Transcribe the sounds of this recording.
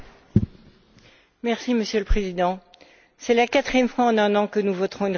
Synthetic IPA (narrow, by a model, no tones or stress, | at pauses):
mɛʁsiməsjøləpχezid̪ɑ̃ | sɛlakat̪χijɛmfwaɑ̃nɛ̃nɑ̃kənuvɔt̪χɔ̃yn